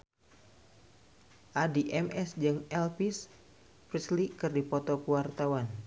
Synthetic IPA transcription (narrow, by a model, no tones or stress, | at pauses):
ʔadiʔɛmʔɛsd͡ʒɨŋɛlpis | pɾislikɨrdipɔt̪ɔkuwart̪awan